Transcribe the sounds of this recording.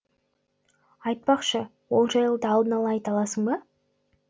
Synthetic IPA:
ɑjt̪̚pɑqʃə | wo̞lˠʒɑjəlˠd̪əːlˠd̪ənɑlˠɑːjt̪ɑlˠɑsəɴbɑ

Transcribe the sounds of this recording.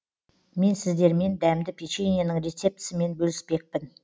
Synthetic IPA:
me̞nsɪzd̪e̞ɾme̞nd̪æmd̪ɪpʰʲit͡ʃenʲijanəɴɾe̞t̪se̞p̚t̪ʰɪ̥sɪme̞nbɵlɪspe̞k̚pɪn

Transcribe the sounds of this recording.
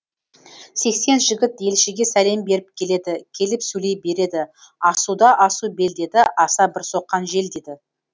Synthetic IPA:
se̞kse̞nʒɪɡʲɪt̪je̞lʃeɡʲe̞sæle̞mbe̞ɾɪp̚kʲʰe̞le̞d̪ɪkʲʰe̞lɪpsɵjle̞jbe̞ɾe̞d̪ɪ | ɑsud̪ɑʔɑsube̞ld̪e̞d̪ɪʔɑsɑbɪɾso̞qːɑnʒe̞ld̪e̞d̪ɪ

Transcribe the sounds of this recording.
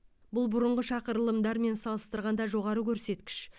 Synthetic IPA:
bʊlˠbʊɾəɴʁəʃɑqəɾlˠəmd̪ɑɾme̞nsɑlˠəst̪əɾʁɑnd̪ɑʒo̞ʁɑɾəkʲʰɵɾse̞t̪kʲɪ̥ʃ

